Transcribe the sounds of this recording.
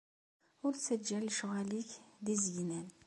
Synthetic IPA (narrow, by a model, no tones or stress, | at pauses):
ʊɾsəd͡ʒːælʃɣæliçd̪izjnæn